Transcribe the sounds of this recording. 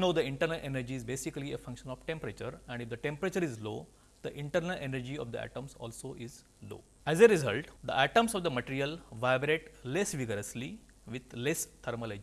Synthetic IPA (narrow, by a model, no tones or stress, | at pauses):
jnoːd̪əɪ̃ɳʈəɾnəlʔenəɾd͡ʒiːzbeːsikliefʌ̃ŋkʃə̃nɔʋʈẽmpɾet͡ʃəɾɛ̃ɳɖifd̪əʈẽmpɾet͡ʃəɾizloː | d̪̥əʔɪ̃ɳʈəɾnəlʔenəɾd͡ʒiɔ̰ʋd̪ə̰æ̰ʈə̃msɔ̰ːlsoʔɪz | lo̰ː | ɛzeɾɪzəlʈd̪əʔæʈə̃msɔʋd̪əməʈiːɾijəlʋaɪbɾeʈlesʋiɡəɾəsli | ʋɪd̪lest̪ʰɐɾməled͡ʒi